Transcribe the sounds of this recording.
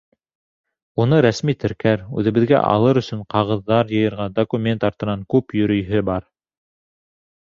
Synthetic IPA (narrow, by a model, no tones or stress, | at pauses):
unɤɾæsmit̪ʰɘ̆ɾkæɾʉ̰ðɘ̆βɘ̆ðɡæ̰ʔɑ̰lˠɤɾɵ̆sɵɴqɑʁɤ̆ðːɑɾjɤ̆jɤ̆ɾʁɑd̪okumʲe̞nt̪ɑɾt̪ɤ̆nɑŋkʉpjɵ̆ɾɵ̆jɦɘbɑɾ